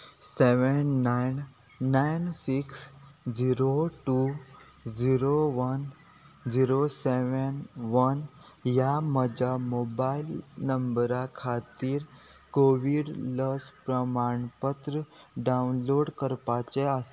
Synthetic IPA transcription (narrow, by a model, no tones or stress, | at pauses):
seʋənːajnː | ainsiksd͡ʑiɾoʈu | d͡ziɾoʋən | d͡ʑiɾoseʋənʋənjaməd͡ʑʱamobailnəmbɾakʰat̪iːɾ | koʋiɽləspɾəmaɳpət̪ɾəɖaunloɽkəɾpat͡ɕease